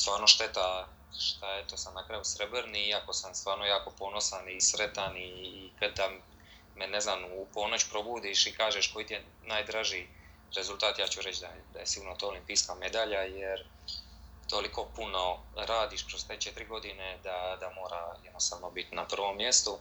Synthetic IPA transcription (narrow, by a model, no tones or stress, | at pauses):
st̪ʋaːɾno̞ʃt̪e̞t̪a | ʃt̪aet̪o̞samnakɾajusɾebɾniiako̞samst̪ʋaːɾno̞jaːko̞po̞no̞sanisɾet̪anikad̪d̪a | me̞ne̞znaːmupo̞no̞t͡ɕu̥pɾo̞buːd̪iʃikaːʒeʃko̞jit̪ije | naːjd̪ɾaʒij | ɾe̞zulˠt̪aːt̪jaːt͡ɕuɾet͡ʃd̪ad̪a̰jesiɡuːɾnot̪oːlimpiːskame̞d̪aʎajeɾ | t̪o̞likʰo̞puno̞ɾaːd̪iʃkɾo̞st̪e̞ːt͡ʃet̪ɾiɡo̞d̪ine̞d̪ad̪amo̞ːɾajed̪nost̪aːʋno̞bit̪napr̩ʋo̞mːje̞st̪u